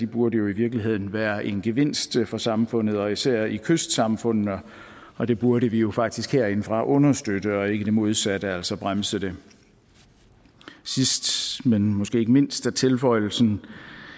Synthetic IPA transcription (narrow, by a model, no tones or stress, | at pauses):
d̥ib̥uɐɾəjo̝iʋiɐɡ̥liɦe̝ð̞̰ˠn̩ʋæːɐʔe̝nɡ̥e̝ʋe̝n̰sd̥fɒ̽sɑ̈mfɔ̽n̰ð̞̩ˠɒ̽isæɐ̰ikʰøsd̥sɑ̈mfɔ̽n̰ð̩ˠɒ | ɒ̽d̥e̝b̥uɐɾəʋijo̝fɑ̈ɡ̥̚d̥isɡ̥heɐe̝nəfʁɑ̈ʔɔ̽nɐsd̥ød̥əɒ̽e̝ɡ̥əd̥e̝mo̝ð̞ˠsæd̥əæl̰sɒb̥ʁamsəd̥e̝ | sisd̥menmɒ̽sɡ̥e̝̰ːeɡ̥əme̝n̰sd̥æt͡sʰe̝lfɒ̽ɪ̰l̩sn̩